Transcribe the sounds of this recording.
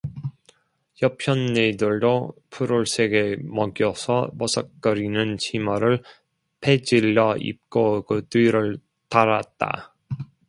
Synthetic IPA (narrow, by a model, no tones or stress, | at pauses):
jʌpʰjʌnːedɯɭdopʰuɾoɭs͈ʰe̞ɡe̞mʌɡjʌsʰʌmʌsʰʌk̚k͈ʌɾinɯnt͡ɕʰimʌɾɯɭ | pʰe̞d͡ʑiʎːʌḭp̚k͈oɡɯtiɾɯɭ | taɾat̚t͈a̰